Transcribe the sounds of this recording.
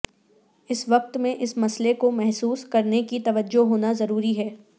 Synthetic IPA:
ɪsʋɐq̚t̪mẽʔɪsmɐslekomɛɦsuːskɐɾnekit̪ɐʋəd͡ʒːoɦoːnazɐɾuːɾiɦɛː

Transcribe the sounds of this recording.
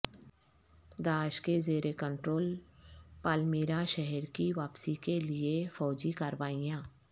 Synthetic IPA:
d̪aːʃkezeːɾekə̃ɳʈɾoːlpaːlmiːɾaʃɛɦɛɾkiʋaːpsikeliefɔːd͡ʒikəɾʋaːijãː

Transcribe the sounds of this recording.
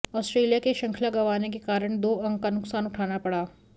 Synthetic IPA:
ɔːsʈɾeːlijakeʃɐ̃ŋkʰlaɡɐʋaːnekekaːɾəɽ̃d̪oːɐ̃ŋɡkanʊksaːnʊʈʰaːnapɐɽaː

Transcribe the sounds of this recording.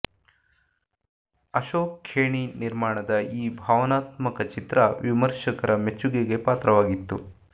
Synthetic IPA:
ɐʃoːkʰːeːɳiniɾmaːɳɐd̪ɐiːbʱaːʋɐnaːt̪mɐkɐt͡ʃit̪ɾɐʋimɐɾʂɐkɐɾɐme̞t͡ʃːuɡeɡe̞paːt̪ɾɐʋaːɡit̪ːṵ

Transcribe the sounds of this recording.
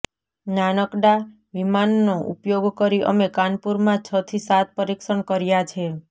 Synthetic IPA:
nanəkɖa | ʋimanːoʔṵpjoɡkəɾiʔə̰mekanpuɾmãt͡ʃʰət̪ʰisat̪̚ʰpəɾikʃəɳkəɾjat͡ʃʰe

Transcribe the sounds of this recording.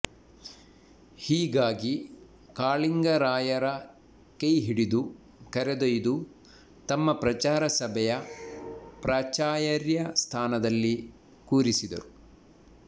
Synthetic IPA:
hiːɡaːɡi | kaːɭiŋɡɐɾaːjɐɾɐ | kejɦiɽid̪u | kɐɾɛd̪ojd̪u | t̪ɐmːɐpɾɐt͡ʃaːɾɐsɐbʱɛjɐ | pɾaːt͡ʃaːjɐɾjɐst̪ʰaːnɐd̪ɐlːi | kuːɾisid̪ɐ̰ɾu

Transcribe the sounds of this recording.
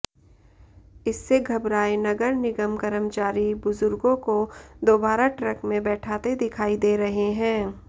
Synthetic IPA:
ɪsːeɡʱɐbɾaːenɐɡəɾnɪɡəmkɐɾəmt͡ʃaːɾibʊzʊɾɡõkod̪oːbaːɾaʈɾəkmẽbɛːʈʰaːt̪ed̪ɪkʰaːid̪eːɾɐɦeɦɛ̃ː

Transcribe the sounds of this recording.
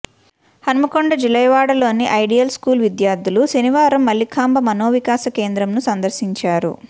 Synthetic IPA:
hɐnɐmɐkoɳɖɐd͡ʒilɐjɐʋaːɽɐlo̞ːniʔɐjɖijɐlskuːlʋid̪jaːɾd̪ʱːuluseniʋaːɾɐmːɐlːikʰaːmbɐmɐnoːʋikaːsɐke̞ːnd̪ɾɐmnusɐnd̪ɐɾsiɲt͡ʃaːɾṵ

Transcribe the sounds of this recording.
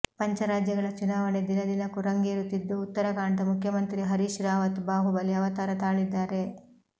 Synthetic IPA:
pɐɲt͡ʃɐɾaːd͡ʒjɐɡɐɭɐt͡ʃunaːʋɐɳed̪inɐd̪inɐkːuɾɐŋɡiːɾut̪ːid̪ːuːt̪ːɐɾɐkaːɳd̪ɐmukʰjɐmɐnt̪ɾiɦɐɾiʃɾaːʋɐt̪baːɦubɐljɐʋɐt̪aːɾɐt̪aːɭid̪ːaːɾe̞

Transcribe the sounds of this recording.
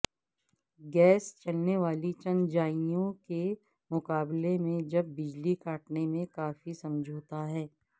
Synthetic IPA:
ɡɛːst͡ʃɐlneʋaːlit͡ʃɐ̃nd͡ʒaːijõke | mʊkaːblemẽd͡ʒɐbːɪd͡ʒlikaːʈnemẽkaːfisɐ̃md͡ʒʱoːt̪aɦɛː

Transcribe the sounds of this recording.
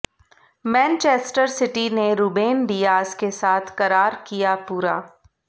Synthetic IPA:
mɛ̃ːnt͡ʃeːsʈəɾsɪʈineɾuːbeːnɖijaːskesaːt̪ʰkɐɾaːɾkijapuːɾa̰ː

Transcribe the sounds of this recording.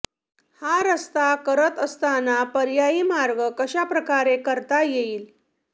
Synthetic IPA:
haɾəst̪akəɾət̪əst̪anapəɾjaiːmaɾɡəkəɕapɾəkaɾekəɾt̪ajeiːl

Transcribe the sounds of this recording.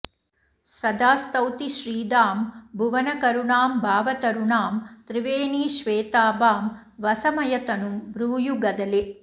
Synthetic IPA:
sɐd̪aːst̪ɐwt̪iʃɾiːd̪aːmbʱuʋɐnɐkɐɾuɳaːmbʱaːʋɐt̪ɐɾuɳaːmt̪ɾiʋeːniːʃʋeːt̪aːbaːm | ʋɐsɐmɐjɐt̪ɐnumbɾuːjuɡɐd̪ɐle

